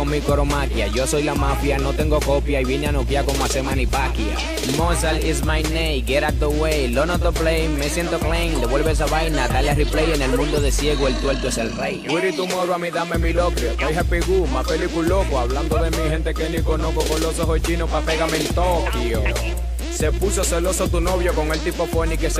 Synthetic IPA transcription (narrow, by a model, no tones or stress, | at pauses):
omikoɾomakjaʝoso̞jlamafjano̞t̪e̞ŋɡo̞kopjaiβjenanokjakomasemanipakja̰ | mosalismajnejɡeɾak̚d̪owejlonot̪oplejːesje̞nt̪oklejŋd̪eβwe̞lβes̬aβajnat̪aljariplejenelmũnd̪oðesje̞ɣoelt̪welt̪oeselrḛjwiɾit̪umoɾwamiðamemilokɾiokajɦapiɣumapelikulokoaβland̪oðemihe̞nt̪ekenikonokokolosoɦojt͡ʃinopapeɣament̪okjo | sepusoselo̞sot̪unoβjokoŋelt̪ipofonikes